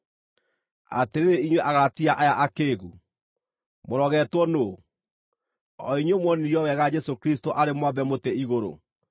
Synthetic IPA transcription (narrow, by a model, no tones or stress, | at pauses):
a̰teɾeɾeiɲweʔaɣaɾatiaʔajaʔakeːɣu | moɾɔɣɛtwɔno | ɔiɲwomwɔnijɔwɛɣad͡ʒɛsokɾistoʔaɾemwaβɛmoteiɣoɾo̰